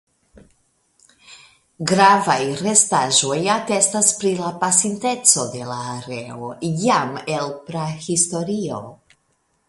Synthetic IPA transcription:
ɡɾavajre̞staʒo̞jate̞staspɾilapasinte̞t͡so̞de̞laːɾe̞o̞̰jame̞lpɾahisto̞ɾio̞̰

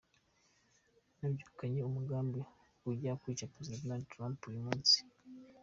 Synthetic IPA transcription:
nabɟuːkaɲeumuɡaːmbe | uɟakuit͡ʃapɾezidadnadtɾãmpujumuːnsi̥

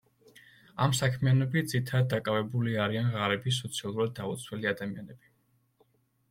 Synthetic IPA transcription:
amsakʰmianɔbid̪zit̪ʰaɾad̪̚d̪ːakʼavɛbuliaɾianʁaɾɛbis̬ɔt̪sʰialˠuɾad̪̚ːaut̪sʰwɛliad̪amianɛbi

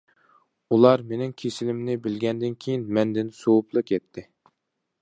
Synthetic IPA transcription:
ulˠɑɾmenɪŋkʲʰesɪlɪmnɪbɪlɡʲɛnd̪ɪnkʲʰejinmɛnd̪ɪnsowupʰlˠɨqjɛt̪ʰːɪ

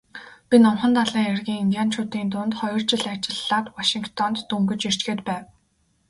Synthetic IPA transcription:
pʲinɔmχə̆nt̪aɮiːŋerɣʲiːŋiŋɡʲaːn̥t͡ɕʰʊːt̪iːnt̪ʊːnt̪χɔjɞ̆r̥t͡ɕɪ̆ɮat͡ɕɪ̆ɮːaːt̪waʃiŋkt̪ʰɔnt̪ːɵŋɡɵ̆t͡ɕir̥t͡ɕɡeːt̪pæːw

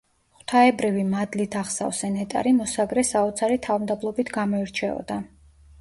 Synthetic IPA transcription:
χt̪ʰaɛbɾivimad̪lit̪ʰaχsa̰vsɛnɛt̪ʼa̰ɾimɔsaɡɾɛsaɔt̪sʰaɾit̪ʰavmd̪ablˠɔbit̪ʰɡamɔiɾt͡ʃʰɛɔ̰d̪a

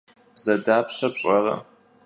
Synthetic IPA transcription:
b̥z̥ɐdaːpɕɐpɕʼɐrɐ̰

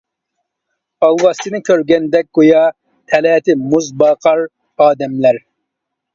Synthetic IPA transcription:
ɑwːɑsinɨkʰʲøɾɡʲɛnd̪ɛk̚ɡ̥ojɑ | t̪ʰɛlɛːt̪imuzbɑːqɑɾ | ɑːd̪ɛmlɛɾ

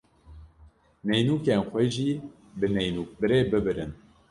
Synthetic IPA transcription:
nɛjnuːkenxʷɛʒiː | bɨnɛjnuːk̚bɨɾeːbɨbɨɾɨ̰n

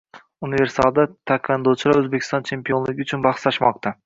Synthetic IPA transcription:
unive̞ɾsa̰lˠd̪at̪ʰakʲɑnd̪ot͡ʃʰɪlˠaɾɵzbekʲʰɪ̥st̪ɒnt͡ʃʰe̞mpijonlɪɡʲɪʊt͡ʃʰʊnbɑχslaʃmɒqt̪ʰa

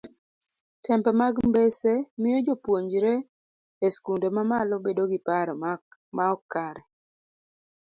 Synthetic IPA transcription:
tʰɛmpɛmaɡmbesemɪjɔd͡ʒopwoɲd͡ʒɾe | eskundemamalɔbedoɡɪpaɾmaɔkːaɾɛ

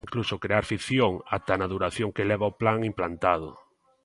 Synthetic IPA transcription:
ŋklusokɾeaɾfiθjoŋa̰t̪anaðuɾaθjoŋkelɛβaoplaŋimplant̪að̞ʊ̰

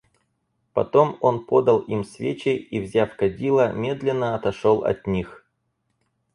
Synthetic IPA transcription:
pɐ̰t̪o̞mo̞npo̞d̪əlˠimsvʲet͡ɕɪjivzʲafkɐdʲilˠəmʲe̞d̪lʲɪnːəɐt̪ɐʂolˠɐ̰t̪ʲnʲix

